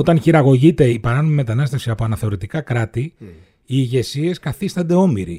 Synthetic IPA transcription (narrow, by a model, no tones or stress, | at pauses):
ot̪ɐnçiɾɐɣo̞ʝit̪e̞ipɐɾɐno̞mime̞t̪ɐnɐst̪e̞fsiɐpo̞ɐnɐθe̞o̞ɾit̪ikɐkɾɐt̪i | iːʝe̞sie̞skɐθist̪ɐnd̪e̞o̞miɾḭ